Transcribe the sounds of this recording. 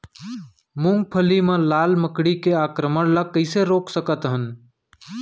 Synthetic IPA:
mʊ̃ŋɡ̚pʰəlimẽlaːlməkɽikeaːkɾəməɽləkːəɪseɾoːksəkət̪ɦən

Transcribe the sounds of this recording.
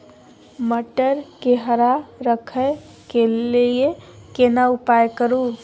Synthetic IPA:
məʈəɾkeɦəɾaɾəkʰə | keliekenaupajkəɾu

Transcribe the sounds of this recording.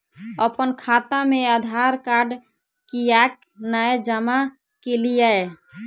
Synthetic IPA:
əpənkʰat̪ameəd̪ʱaɾkaɖ | kijak̚ | naed͡ʒama | kelijae

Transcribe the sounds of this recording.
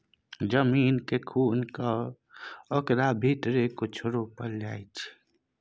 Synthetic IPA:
d͡ʒəmiːnkekʰuːnka | ɔkɾabʱiːt̪ɾekot͡ʃʰəɾopəɾlaːit͡ʃʰ

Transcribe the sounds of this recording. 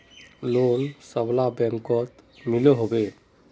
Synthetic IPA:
lonsəblabɛŋkɔt̪milɔɦobe

